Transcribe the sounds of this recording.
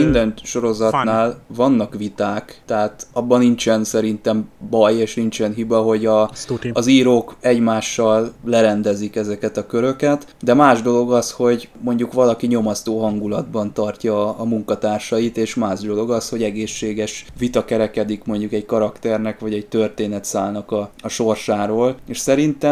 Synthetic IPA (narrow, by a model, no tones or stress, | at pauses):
ind̪ɛnʃo̞ɾo̞zɒt̪naːlvɒnːɒkʋit̪aːkt̪ɛɦaːt̪ɒbːɒnːint͡ʃɛnsɛɾint̪ɛmbɒjeːʃnint͡ʃɛnɦibɒɦo̞ɟɒɒziːɾoːkɛɟmaːʃːɒlːlɛɾɛnd̪ɛzikɛzɛkɛt̪ɒkøɾø̞kɛt̪ | d̪ɛmaːʒd̪o̞lo̞ɡɒsho̞ɟmo̞ɲɟukʋɒlɒkiɲo̞mɒst̪oːɦɒŋɡulɒd̪bɒnt̪ɒrcɒːmuŋkɒt̪aːrʃɒit̪eːʃmaːʒd̪o̞lo̞ɡɒsho̞ɟɛɡeːʃːeːɡɛʃʋit̪ɒkɛɾɛkɛd̪ikmo̞ɲɟukɛɟkɒɾɒkt̪ɛrnɛkʋɒɟɛɟ̚t̪ø̞rt̪eːnɛt̪saːlnɒkɒɒʃo̞rʃaːɾoːleːʃsɛɾint̪ɛm